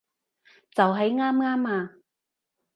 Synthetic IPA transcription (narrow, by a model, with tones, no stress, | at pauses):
t͡sɐ˨wɦɐ˨˥jŋaː˥mŋaː˥maː˧